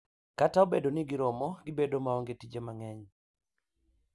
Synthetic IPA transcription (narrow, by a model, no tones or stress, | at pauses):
kataobedonɪɡɪɾɔmɔɡɪbedomaɔŋɡetid͡ʒemaŋɛɲ